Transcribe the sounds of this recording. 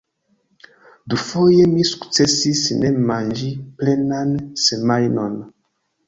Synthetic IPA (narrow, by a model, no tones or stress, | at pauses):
dufojemisu̥kt͡sesisnemãnd͡ʒiplɛnansemajnɔn